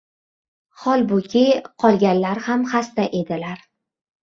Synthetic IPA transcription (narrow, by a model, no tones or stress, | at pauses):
χɒlˠbʊkʲʰɪqʰɒlˠɡʲanlaɾhamχast̪aʔe̞d̪ɪlaɾ